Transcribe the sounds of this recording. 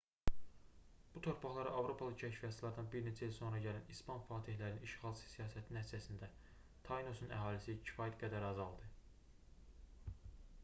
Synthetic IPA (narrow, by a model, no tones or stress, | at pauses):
b̥ut̪ʰo̞ɾpʰɑχlˠɑɾɑʔɑvɾo̞pʰɑlˠɯcʰæcʰfijɑsilˠɑɾd̪ɑnbiɾne̞t͡ʃʰæilso̞nɾɑɟælænispɑnfɑːt̪ʰihlæɾniniʃχɑlˠsɯ̥sijɑːsæt̪ʰinæt̪ʰizæsind̪æ | t̪ʰɑjno̞sunæ̰ɦɑːlisicʰi̥fɑːjæt̪ɡæd̪æɾɑzɑlˠd̪ɯ